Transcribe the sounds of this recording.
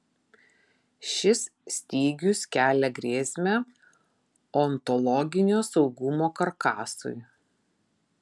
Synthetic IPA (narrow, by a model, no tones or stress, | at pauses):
ʃʲɪssʲt̪ʲiːɡʲʊskʲæːlʲɛɡɾʲeːsʲmʲæ | oɔːɔnt̪ɔlˠɔɡʲɪnʲoːsɒʊɡʊmoːkɐɾkɑːsʊ̰ɪ